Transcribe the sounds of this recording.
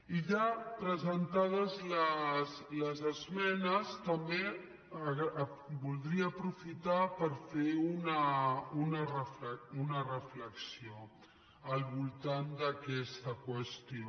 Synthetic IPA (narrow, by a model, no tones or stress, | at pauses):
iʎapɾəzənt̪að̞əzləsləzəzmɛnəst̪əmbe | bulˠd̪ɾiəːpɾufit̪apəɾfeunəunərəfləunərəfləksio | əlˠβulˠt̪and̪əkɛst̪əkwəst̪io